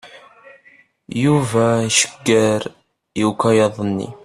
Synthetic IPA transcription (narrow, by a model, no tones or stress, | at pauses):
juvæʃə̥ɡːæɾ | jukɑjɑðˤənːḭ